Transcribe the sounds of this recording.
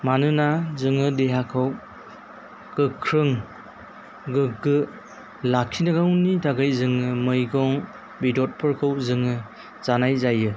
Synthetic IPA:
manɯnazɯŋɯdeɦakʰɯw | ɡ̥ɯkʰɾɯŋ | ɡɯɡɯ | lakʰinaɡawnitʰaɡajzɯŋɯmɯjɡɔŋ | bidɔt̚pʰɯɾkʰɯwzɯŋɯ | z̥anajzajɯ

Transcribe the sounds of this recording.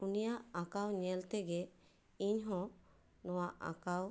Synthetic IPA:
unijaʔakawɲɛlt̪ɛɡɛ | iɲɦɔ̃ | nɔwaʔʔa̰kaw

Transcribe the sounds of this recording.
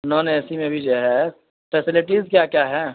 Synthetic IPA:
nɔːneːsimẽbʱid͡ʒoɦɛ | pʰɛsɪlɪʈizkjakjaɦɛ̃ː

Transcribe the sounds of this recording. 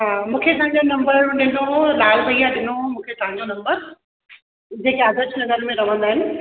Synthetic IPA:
ɦaːmũːkʰet̪ɐɦãɲd͡ʑonɐ̃mbəɾɗɪnolaːlbʱɐijãɗɪnomũːkʰet̪ɐɦãɲd͡ʑonɐ̃mbəɾ | d͡ʑeːkeaːzəɾd͡ʑnɐzəɾmẽɾɐʋə̃nd̪aːɦɪnɪ̆

